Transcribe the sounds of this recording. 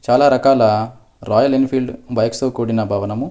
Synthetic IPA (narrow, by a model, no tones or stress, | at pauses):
t͡ʃaːlaːɾɐkaːlɐ | ɾɔːjɐlinpʰiːlɖbɐjkst̪oːkuːɽinɐbʱaːʋɐnɐmu